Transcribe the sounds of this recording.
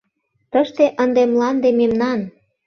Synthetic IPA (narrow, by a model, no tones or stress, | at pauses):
t̪əʃt̪eʔənd̪emlɑnd̪ememnɑn